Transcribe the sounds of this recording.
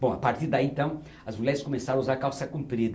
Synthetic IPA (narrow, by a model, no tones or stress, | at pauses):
bõapaɾt̪iɾd̪aiẽnt̪ɐ̃w̃ | ɐzmuʎʲɛɾɪskomesãɐ̃uzaɾkawsɐkũmpɾid̪ɐ